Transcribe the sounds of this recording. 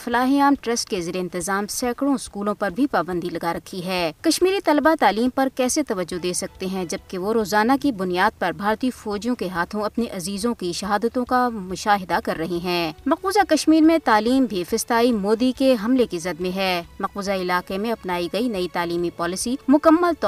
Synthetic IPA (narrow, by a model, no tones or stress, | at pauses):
fɐlaːɦiaːmʈɾɐsʈkezeːɾeɪ̃nt̪ɪzaːmsɛːkɽõɪskuːlõpɐɾbʱipaːbə̃nd̪ilɐɡaɾɐkʰːiɦɛːkɐʃmiːɾit̪ɐlbat̪aːliːmpɐɾkɛːset̪ɐʋəd͡ʒːod̪eːsɐk̚t̪eɦɛ̃d͡ʒɐb̚keʋoɾoːzaːnakibʊnijaːd̪̚pɐɾbʱaːɾt̪iːfɔːd͡ʒjõkeɦaːt̪ʰõɐpniʔɐziːzõkiʃɐɦaːd̪ət̪õkamʊʃaːɦɪd̪akɐɾːɐɦiɦɛ̃ːmɐquːzakɐʃmiːɾmẽt̪aːliːmbʱifɪst̪aːimoːd̪ikeɦɐmlekizɐd̪mẽɦɛːmɐquːzaɪlaːqemẽɐpnaːiɡɐinɐit̪aːliːmipɔːlɪsimʊkəmːəlt̪ː